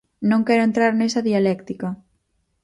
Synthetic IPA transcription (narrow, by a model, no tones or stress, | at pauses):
nõŋkɛɾʊẽnt̪ɾaɾnesɐðialɛkt̪ika